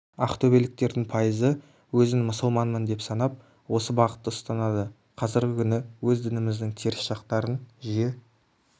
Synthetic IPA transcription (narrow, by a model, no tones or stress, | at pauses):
ɑχt̪ʰɵbe̞lɪk̚t̪e̞ɾd̪ɪŋpʰɑjəzə | wɵzɪŋmʊsʊlˠmɑnmənd̪e̞psɑnɑp̚ | wo̞səbɑʁə̥t̪ːəəst̪ɑnɑd̪ə | qʰɑzɪɾɡʲɪkʲʰʏnɪwɵzd̪ɪnɪmɪzd̪ɪŋt̪ʰe̞ɾɪsʃɑqt̪ɑɾənʒije̞